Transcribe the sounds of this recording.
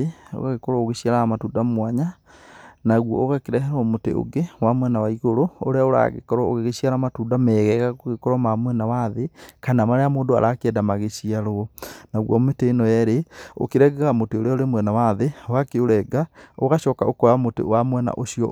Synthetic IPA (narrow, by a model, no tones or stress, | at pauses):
eo̰ɣaɣekɔɾɔoɣeɕiaɾaamatuːdamwaɲa | naɣwɔoɣakeɾɛɦɛɾɔmotḛo̰ɡewamwɛnawaiɣoɾoo̰ɾeaoɾa̰ɣḛkɔɾɔoɣeɣeɕiaɾamatudamɛɣɛɣaɣoɣekɔɾɔmamwɛnawaðekanamaɾeamoːndoa̰ɾakeɛdamaɣeʃiaɾoɔnaɣwɔmeteːnɔjɛɾeo̰keɾɛɡɛɣamoteoɾeaoɾemwɛnawaðeoɣakeoɾɛɡaoɣaʃɔkaʔokɔɾamotḛwamwɛna̰ʔoʃiɔ̰